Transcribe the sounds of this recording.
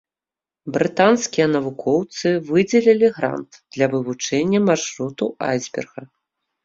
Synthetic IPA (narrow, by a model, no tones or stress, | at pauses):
bɾɨt̪anskʲijɐnɐvukʰɔwt̪sɨvɨd͡zʲɛlʲilʲiɣɾa̰nt̪d̪̥lʲɐvɨvut͡ʂɛnʲːɐmarʂɾut̪ua̰jzʲbʲɛ̰rɣɐ